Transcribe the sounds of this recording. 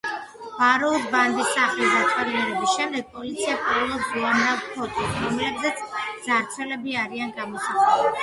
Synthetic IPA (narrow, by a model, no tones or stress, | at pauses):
b̥aɾɔud̪band̪isːaχlisd̪at̪ʼɛɾinɛɾɛbisʃɛmd̪ɛɡ̥̚pʼɔlit̪sʰiakʼiɾvɛlˠɔsɡuanavpʰɔt̪ʼiɾɔmlɛbzɛt̪sʰz̥aɾt͡ʃʰɛlɛbiaɾianɡamɔsaχʼɛlɛibi